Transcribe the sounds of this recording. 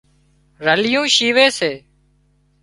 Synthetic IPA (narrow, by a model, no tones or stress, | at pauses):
ɾəlɪjũːʃiːʋeːseː